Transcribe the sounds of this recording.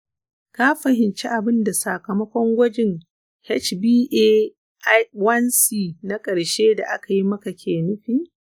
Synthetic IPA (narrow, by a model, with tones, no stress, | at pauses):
ka˦ɸɐ˨hɪ˨nt͡ʃe˦ʔa˨bɪ˦nda˨sa˨kɐ˨mɐ˦kʷɔ˦ŋɡʷɐ˦d͡ʒɪ˦ŋ | hɛ˦t͡ʃbiː˦ʔeː˦ | ʔwɐ˦nsiː˦˨na˦kʼɐ˨ɽʃeː˦da˨ʔa˦ka˨ji˦mɐ˦ka˨kʲʰeː˨nʊ˦ɸiː˦